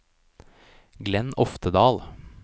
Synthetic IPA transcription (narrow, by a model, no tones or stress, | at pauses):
ɡlɛnɔft̪əd̪ɑːl